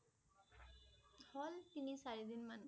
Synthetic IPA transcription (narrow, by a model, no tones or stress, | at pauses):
hɔlt̪inisaɹid̪inman